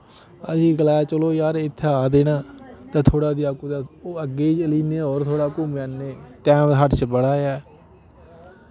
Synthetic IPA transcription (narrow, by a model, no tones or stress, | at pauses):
əsĩːɡəlaːt͡ʃəloːjaːɾɪt̪ʰːeaːd̪eːnaːt̪ãːt̪ʰoːɽaːd̪ɪjaːkuːt̪aːoːəɡːeːit͡ʃəliːneːoːɾt̪ʰoːɽaːkuːmaːnːeːt̪ɛ̃ːmʰəɖt͡ʃəbəɽaːjɛː